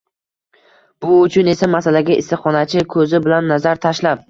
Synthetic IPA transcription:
b̥ʊʊt͡ʃʰʊne̞samasalaɡʲaʔɪ̰st̪ɨχɒnat͡ʃʰɪkʰɵzɪbɪlanːazaɾt̪ʰaʃlap̚

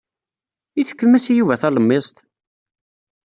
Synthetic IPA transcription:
iθə̥kːəmæsijuvæθæləmːɪsˤt̪

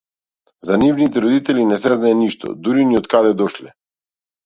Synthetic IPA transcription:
zanivnit̪ɛɾɔd̪it̪ɛlinɛs̬ɛznaɛniʃt̪ɔ̰d̪uɾiniɔt̪kad̪ɛd̪ɔʃlɛ

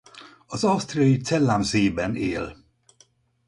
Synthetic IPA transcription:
ɒzɒwst̪rijɒit̪sɛlːamzeːbɛneːl

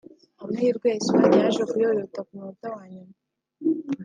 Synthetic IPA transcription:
amuiɾɡwesaɲjaʒekujoɾotakumuotawaːɲuma

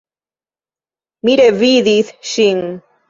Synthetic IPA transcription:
miɾeviðiθʃiŋ

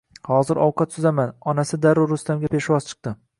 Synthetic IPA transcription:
hɒzɪɾʔɒwqʰɑt̪sʊzamanɒnasɪd̪aɾʊɾːʊst̪amɡʲapʰe̞ʃwɒzt͡ʃʰɨ̥q̚t̪ɪ

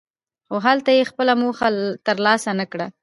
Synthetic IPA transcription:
xoɦalt̪ajexpəlamoxat̪əɾlɑsanakɽa

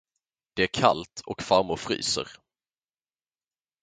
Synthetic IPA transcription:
d̪̥ɛæɾkʰa̰lt̪ʰɔkfaɾmʊɾfɾy̰ːsə̰ɾ

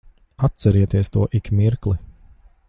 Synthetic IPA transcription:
at̪sɛɾiɛt̪iɛst̪uɔʔikmiɾklˠi

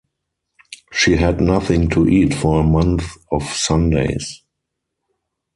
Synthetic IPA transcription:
ʃiːɦɛdnaθɪ̃ŋtʰuʔiːtfɔəmãnθɔfsãndḛɪs

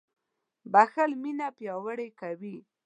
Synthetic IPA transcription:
baxəlminapjɑwəɽekawi

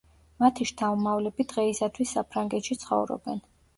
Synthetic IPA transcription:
mat̪ʰiʃt̪ʰavumavlɛbid̪ʁɛisat̪ʰwisːapʰɾaŋɡɛt̪ʃit̪sʰχɔ̰vɾɔ̰bɛn

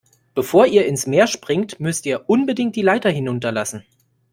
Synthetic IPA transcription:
b̥əfoːɐʔiːɐɪnsmeːɐʃpʁ̥ɪŋtmʏstiːɐʔʊnbədɪŋt̚d̥iːlaɪtɐɦɪnʊntɐlasn̩

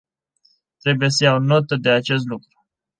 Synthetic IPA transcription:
t̪ɾe̞buje̞səjawno̞t̪əd̪e̞at͡ʃe̞s̬t̪lukɾu̥

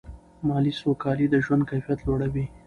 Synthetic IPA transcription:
mɑlisokɑlid̪əʒwand̪̚kajfijat̪loɽawi

